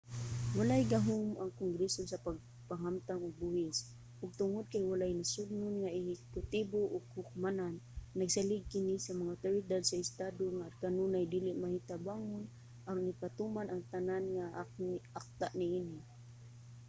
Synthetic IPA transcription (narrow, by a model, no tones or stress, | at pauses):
walajɡaɦʊmʔaŋkʊŋɡɾɛsosapaɡ̚ | paɦamt̪aŋʊɡ̚bʊhɪs | ʔʊɡ̚t̪ʊŋʊd̪̚kajwalajnasʊɡ̚nʊnŋaɪhɪkʊt̪iboʔʊɡhʊk̚mananːaɡsalɪɡ̚kɪnisamaŋaʊt̪oɾɪd̪ad̪̚saɪst̪ad̪oŋakanunajd̪ilɪʔmahit̪abaŋʊn | ʔaɾʊnɪpat̪umanʔaŋt̪ananŋaak̚t̪aʔnɪinɪ